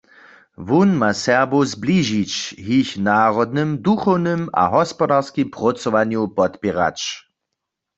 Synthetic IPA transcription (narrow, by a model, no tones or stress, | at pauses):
vunmasɛʁbozbliʒit͡ʃɦiçnaːʁɔd̪̚nɨmd̪uxɔwnɨma̰ɦɔspɔdaʁskimpʁɔt͡sɔʋanjupɔt̪pɛʁa̰t͡ʃ